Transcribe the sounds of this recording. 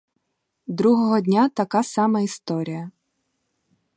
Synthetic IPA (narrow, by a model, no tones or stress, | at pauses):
d̪ɾuɦɔɦɔdʲnʲat̪ɐkɑsɑmɐist̪ɔɾʲijɐ